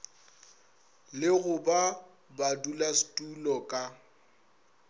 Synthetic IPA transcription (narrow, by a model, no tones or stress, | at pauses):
lɪɣʊba | badulastʼulɔkʼa